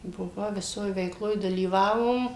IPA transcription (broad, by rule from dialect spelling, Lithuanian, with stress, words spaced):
bʊˈʋɐʊ ʋʲɪˈsoːj ʋʲɛɪkˈlˠoːj dɐlʲiːˈʋɑːʋoːm